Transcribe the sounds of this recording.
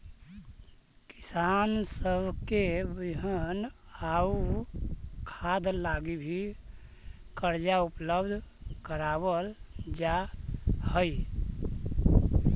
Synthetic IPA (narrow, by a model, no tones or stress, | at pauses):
ki̥sansəbʱkebiɦənau | kʰad̪laɡibʱi | kəɾd͡ʒaupləbd̪ʱkəɾabəld͡ʒa | həj